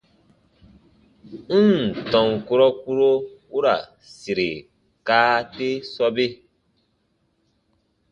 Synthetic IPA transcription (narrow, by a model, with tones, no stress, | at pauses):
n̩˦n˨tɔ̃˨ŋko˦ɾɔ˦ku˦ɾo˦u˦ɾa̰˨ | si˨ɾe˨ | kaː˦te˦sɔ˦be˦